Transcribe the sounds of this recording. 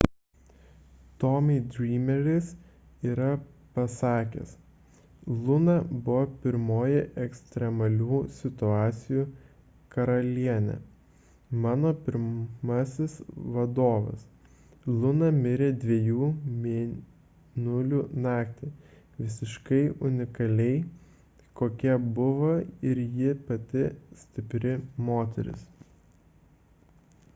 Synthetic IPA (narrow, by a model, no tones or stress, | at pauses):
t̪ɔmʲid̪ʲɾʲiːmʲɛɾʲɪs | iːɾɐpɐsɑːkʲḛs | lˠʊnɐbʊʋopʲɪɾmoːjɛʔɛksʲt̪ʲɾʲɛmɐlʲuːsʲɪt̪ʊɑːt̪sʲɪjuː | kɐɾɐlʲiɛnʲɛ̰ | mɑːnoːpʲɪɾmɐsʲɪsʋɐd̪oːʋɐ̰s | lˠʊnɐmʲɪɾʲeːd̪ʲʋʲiɛjuːmʲe | nʊlʲuːnɑːkt̪ʲɪ | ʋʲɪsʲɪʃkɐɪʔʊnʲɪkɐlʲɛɪ | koːkʲɛbʊʋɐɪɾjɪpɐt̪ʲɪsʲt̪ʲɪpʲɾʲɪmoːt̪ʲɛ̰ɾʲɪ̰s